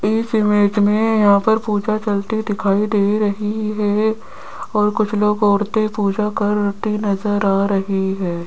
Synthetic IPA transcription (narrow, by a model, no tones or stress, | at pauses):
ɪsɪmeːd͡ʒmẽjɐɦãpɐɾpuːd͡ʒat͡ʃɐlt̪id̪ɪkʰaːid̪eːɾɐɦiɦɛː | ɔːɾkʊt͡ʃʰloːɡɔːɾt̪epuːd͡ʒakɐɾt̪inɐzəɾaːɾɐɦiɦɛː